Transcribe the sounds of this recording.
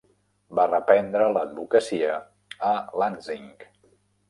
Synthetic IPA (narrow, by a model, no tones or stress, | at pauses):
barəpɛnd̪ɾələd̪̚bukəsiəː | lanziŋk